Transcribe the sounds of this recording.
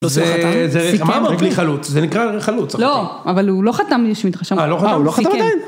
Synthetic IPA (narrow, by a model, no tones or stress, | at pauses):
zeazeimamabliχalut͡szenikʁaχalut͡sloʔavalulo̞χat̪amʃemit̪ʁaʃemaloχatauloat̪aad̪ain